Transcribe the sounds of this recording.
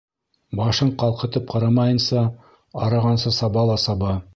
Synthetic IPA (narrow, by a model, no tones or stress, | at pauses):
bɑʃɤɴqɑlˠqɤ̆t̪ɤp̚qʰɑ̆ɾɑmɑjɤ̆nsɑ | ɑɾɑʁɑnsɤsɑbɑlˠɑsɑbɑ